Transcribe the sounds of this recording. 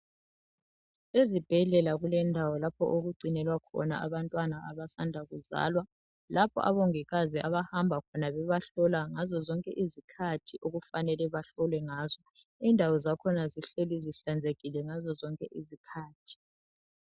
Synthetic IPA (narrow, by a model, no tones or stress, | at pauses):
ezib̥ʱɛɮɛlaɣulɛndʱawɔlapʰɔ̰ʔoɣuǀʱinɛlwakʰɔ̰naaβantʼwanaʔaβasandʱaɣuza̰ːlwa | lapʰɔ̰ʔa̰βɔŋɛɣaziʔaβahambʱakʰɔnaβɛβaɬɔlaŋazɔzɔŋkʼɛ̰ʔizikʰatʰiʔoɣufanɛlɛβaɬɔlwɛŋaːzɔ | indʱawɔzakʰɔnaziɬeliziɬand͡zʱeɣilɛŋazɔzɔŋkʼɛʔizikʰaːtʰi̥